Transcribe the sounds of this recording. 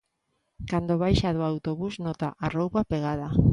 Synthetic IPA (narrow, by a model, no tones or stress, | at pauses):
kand̪oβ̞ajʃaðoawt̪oβuznot̪aʔarowpapeɣ̞að̞a